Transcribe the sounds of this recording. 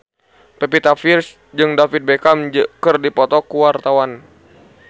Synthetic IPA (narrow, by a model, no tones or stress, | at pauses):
pɛpit̪afirs | d͡ʒɨŋdafit̪̚bekamd͡ʒkɨrdipɔt̪ɔkuwart̪awan